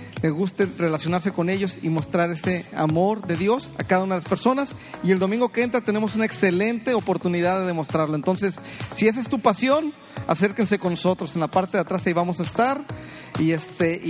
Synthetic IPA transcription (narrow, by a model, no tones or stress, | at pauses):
le̞ɣust̪ere̞lasjo̞naɾse̞ko̞ne̞ʝo̞simo̞st̪ɾaɾe̞se̞a̰mo̞ɾðe̞ðjo̞sa̰kaðaunaðelaspe̞ɾso̞nasie̞ld̪o̞mĩŋɡo̞keent̪ɾat̪e̞ne̞mo̞sunae̞kse̞le̞nt̪e̞opo̞ɾt̪uniðaððe̞ðemo̞st̪ɾaɾloent̪o̞ns̬e̞sːie̞s̬est̪upasjo̞n | a̰se̞ɾkense̞ko̞nːoso̞t̪ɾo̞se̞nlapaɾt̪eðat̪ɾasajβamo̞saest̪aɾ | iest̪eʔ